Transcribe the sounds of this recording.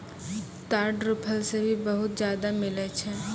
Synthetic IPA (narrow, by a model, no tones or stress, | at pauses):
t̪aːɖɾʊpʰəlsebʱibɐɦʊt̪d͡ʒjaːd̪amɪlət͡ʃʰɛː